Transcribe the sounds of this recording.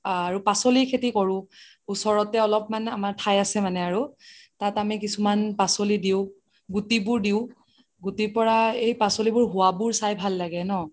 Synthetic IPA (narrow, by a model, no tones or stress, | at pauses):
aɹupasolikʰetikɔɹʊ̃ | usɔɹɔtɛɔlɔp̚manɛamaɹtʰajasɛmanɛaɹutatamikisumanpasolidiʊ̃ | ɡutibʊɹdiʊ | ɡutipɔɹaejpasolibʊɹɦʊwabʊɹsajbʱalːaɡɛnɔ